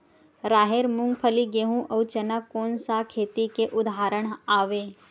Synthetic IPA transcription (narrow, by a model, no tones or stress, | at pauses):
ɾaːɦeːɾmʊŋɡpʰəliɡeɦũʔɐut͡ʃɐnəkoːnsakʰeːt̪ikeʔʊd̪ʱaːɾəɽ̃aːʋeː